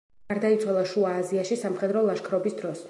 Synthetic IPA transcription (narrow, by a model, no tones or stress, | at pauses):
aɾd̪ait̪sʰwalˠaʃuaːziaʃisamχɛd̪ɾɔlˠaʃkʰɾɔbisd̪ɾɔs